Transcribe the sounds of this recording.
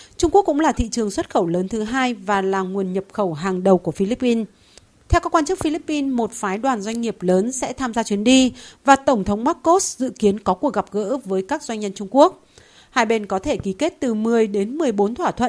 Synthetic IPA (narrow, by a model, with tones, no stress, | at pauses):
t͡ɕʊ˧ŋ͡mkək̚ːʊ̰˧˥ŋ͡mlaː˨˩t̪ʰḭ˧˨t͡ɕɨ˨˩əŋswə˦˥t̚xə˧˩wləː˨˦nt̪ʰɨ˨˦ɦaː˧jvaː˨˩laː˨˩ŋu˨˩ənɲə˨˩p̚xə˧˩wɦaː˨˩ŋɗə˨˩wku˧˩əfi˧li˦˥pːi˧n | t̪ʰɛ˧wkaː˦˥kːwaː˧nt͡ɕɨ˦˥k̚fi˧li˦˥pːi˧nmo˨˩t̚faː˨˦jɗwaː˨˩nzwa˧jŋ̟ŋi˨˩əp̚ləː˨˦nsɛ̰˧˥t̪ʰaː˧mzaː˧t͡ɕwi˨˦ənɗi˧vaː˨˩t̪ə˧˩wŋ͡mt̪ʰə˨˦wŋ͡mmaː˦˥k̚ko˦˥t̚zɨ̰˧˨ki˨˦ənkɔ˨˦ku˨˩ək̚ɣa˨˩p̚ɣə̰ː˧˥vəː˨˦jkaː˦˥k̚zwa˧ŋ̟ɲə˧nt͡ɕʊ˧ŋ͡mku˦˥ək̚ | haː˧jɓe˧nkɔ˨˦t̪ʰe˧˩ki˨˦ke˦˥t̚t̪ɨ˨˩mɨ˨˩əjɗe˨˦nmɨ˨˩əjɓo˨˦nt̪ʰwaː˧˩t̪ʰwə̰˧˨n